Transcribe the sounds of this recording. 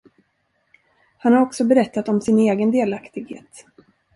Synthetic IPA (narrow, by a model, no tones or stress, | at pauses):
hanhaɾɔksɔbɛɾɛt̪ːat̪ɔmsɪneːɡənd̪eːlakt̪ɪɡhḛːt̪